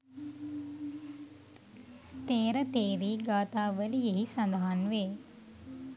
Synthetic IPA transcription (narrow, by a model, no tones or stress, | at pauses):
t̪eːɾət̪eːɾiːɡaːt̪aːʋəlieɦisand̪aɦanʋe